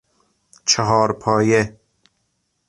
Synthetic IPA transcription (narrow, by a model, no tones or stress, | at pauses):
t͡ʃʰeɦɒːɾpʰɒːje